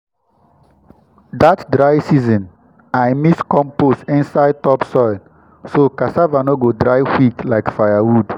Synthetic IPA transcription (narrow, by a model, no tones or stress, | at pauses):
datdɾaɪsizɔ̃n | aɪmiskɔ̃mpostĩnsaɪd̚tɔpsɔɪl | sokasavanoɡodɹaɪwiklaɪkfajawud